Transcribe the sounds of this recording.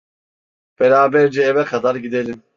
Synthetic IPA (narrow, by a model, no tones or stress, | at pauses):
b̥ɛɾaːbɛɾd͡ʒɛːvɛkʰad̪aɾɟid̪elʲim